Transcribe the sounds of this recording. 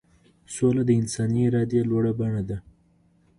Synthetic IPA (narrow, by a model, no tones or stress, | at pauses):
solad̪əɪnsɑnieɾɑd̪jalwaɽabaɳad̪a